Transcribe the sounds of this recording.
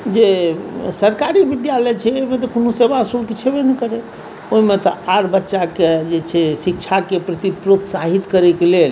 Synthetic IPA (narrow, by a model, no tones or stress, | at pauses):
d͡ʒesəɾkaɾibid̪jalɛjt͡ʃʰɛoɦimet̪ɔkunusebasulkit͡ʃʰebenɛkəɾe | oɦimet̪ɔaɾbətːʃaked͡ʒet͡ʃʰɛsikt͡ʃʰakepɾət̪ipɾot̪saɦit̪kəɾɛkelel